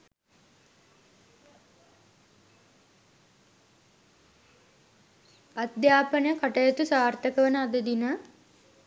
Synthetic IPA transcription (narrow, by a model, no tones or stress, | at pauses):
ad̪jaːpənəjəkaʈəjət̪usaːrt̪əkəʋənəad̪əd̪inə